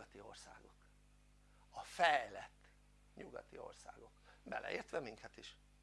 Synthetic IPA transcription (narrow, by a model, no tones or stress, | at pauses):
ɒt̪io̞rsa̰ːɡo̞k | ɒfɛjlɛt̪ː | ɲuɡɒt̪io̞̰rsa̰ːɡo̞kbɛlʔɛ̰ʔeːrt̪ʋɛmiŋkʰɛt̪iʃ